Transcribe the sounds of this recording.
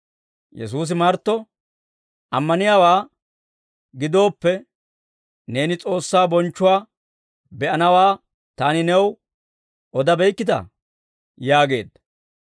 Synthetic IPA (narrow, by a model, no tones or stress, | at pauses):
jɛ̰s̬uːs̬ɪmɐɾt̪ːɔ | ʔɐmːɐnɪjaːwaː | ɡɪd̪o̞ːpːɛ | ne̞ːnɪt͡sʼo̞ːsːaːbɔnt͡ʃːʊwaː | bɛʔɐnɐwaː | t̪aːnɪnɛw | ɔd̪ɐbɛjkːɪt̪ɐ̰ | jaːɡe̞̰ːd̪ɐ